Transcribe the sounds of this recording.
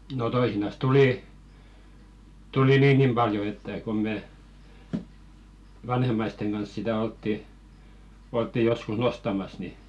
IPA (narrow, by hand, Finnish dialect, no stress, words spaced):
no toisinɑs tuliˑ tuli niːŋɡ̊im b̥ɑljo etːæ kom me ʋɑnhemˑɑisteŋ ɡ̊ɑns sitæ oltːi oltːi joskus nostɑmɑs ni